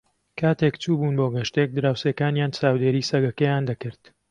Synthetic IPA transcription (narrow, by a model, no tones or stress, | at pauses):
kʰaːt̪ekt͡ʃuːbuːnboːɡɐʃt̪ek̚d̪ɨɾaːwseːkaːnjaːnt͡ʃaːwd̪eːɾiːsɐɡɐkɐjaːnd̪ɐkɨɾt̪